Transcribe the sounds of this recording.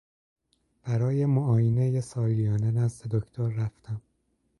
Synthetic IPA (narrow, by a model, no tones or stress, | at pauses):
b̥æɾɒːje̞moʔɒːjinejesɒːlijɒːnenæzd̪ed̪okʰt̪ʰoɾːæft̪ʰæm